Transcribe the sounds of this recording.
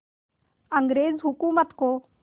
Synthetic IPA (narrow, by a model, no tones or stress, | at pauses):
əŋɡɾeːzɦʊkuːmət̪koː